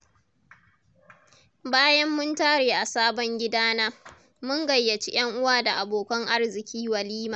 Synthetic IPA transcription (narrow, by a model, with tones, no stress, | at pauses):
baː˦jɐ˦mːʊ˦ntaː˦ɽeː˨ʔa˨saː˦bɔ˦ŋɡʲɪ˦daː˦naː˦ | mʊ˦ŋɡɐ˨jːɐ˨t͡ʃi˦j̰ɐ˦ŋʔʊ˦waː˦˨da˨ʔa˨boː˨kɐ˦ŋʔa˦rzɪ˨kʲʰiː˦wɐ˨liː˦maː˨